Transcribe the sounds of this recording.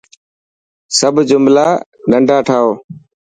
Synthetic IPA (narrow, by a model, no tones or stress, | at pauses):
səbʱd͡ʒʊmlaː | ɗəɳɖʱaːʈʰaːoː